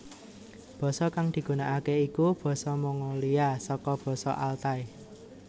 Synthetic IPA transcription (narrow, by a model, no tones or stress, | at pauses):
b̥ɔ̤sɔkaŋd̪̥i̤ɡ̥ṳnaʔakeikub̥ɔ̤sɔmɔŋɔliasɔkɔb̥ɔ̤sɔ̰ʔalt̪aj